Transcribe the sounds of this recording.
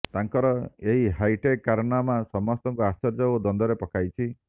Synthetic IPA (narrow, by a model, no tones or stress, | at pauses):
t̪aŋkɔɾɔeɦiɦajʈekːaɾɔnamasɔmɔst̪ɔŋkuast͡ʃɔɾd͡ʒɔod̪ɔnd̪ɔɾepɔkʰajt͡ʃʰi